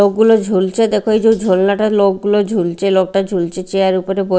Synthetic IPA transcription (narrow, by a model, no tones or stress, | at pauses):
ok̚ɡulod͡ʑʱult͡ɕʰed̪ɛkʰoed͡ʑod͡ʑʱulnaʈalok̚ɡulod͡ʑʱult͡ɕʰelok̚ʈad͡ʑʱult͡ɕʰet͡ɕeaɾupoɾebo